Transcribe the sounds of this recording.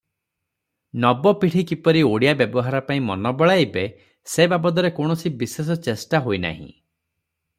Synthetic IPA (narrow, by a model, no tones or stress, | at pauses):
nɔbɔpiʈʰikipɔɾioɽijabjɔbɔɦaɾɔpaĩmɔnɔbɔɭajbe | sebabɔd̪ɔɾekoɳ̃ɔsibisesɔt͡ʃesʈaɦojna̰ɦḭ̃